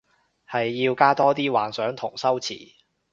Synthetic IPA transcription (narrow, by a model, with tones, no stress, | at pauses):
hɐ˨jːiː˧wkaː˥t̪ɔː˥t̪iː˥waː˨˩nsœː˨˥ŋt̪ʰʊ˨˩ŋsɐ˥wt͡sʰḭː˨˩